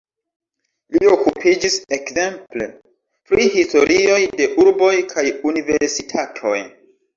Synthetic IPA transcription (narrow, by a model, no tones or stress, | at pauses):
lio̞kupʰid͡ʒisekse̞mple | pɾihisto̞ɾio̞jde̞ʔuɾbo̞jkʰajunive̞ɾsitʰatʰo̞j